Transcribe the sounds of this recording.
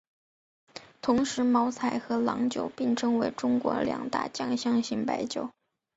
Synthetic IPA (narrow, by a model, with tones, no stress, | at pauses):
t̪ʰʊ˧˥ŋʂɻ̩˧˥mɑ˧˥ʊt͡sʰa˧˩ɪxɤ˧˥lɑ̰˧˥ŋt͡ɕjo˨˩ʊpi˥˩ŋʈ͡ʂʰɤ˥ŋwe˧˥ɪʈ͡ʂʊ˥ŋkwɔ̰˧˥ljɑ̰˨˩ŋt̪a̰˥˩t͡ɕjɑ˥˧ŋɕjɑ˥˧ŋɕi˥˩ŋpa˧˥ɪt͡ɕjo˨˩ʊ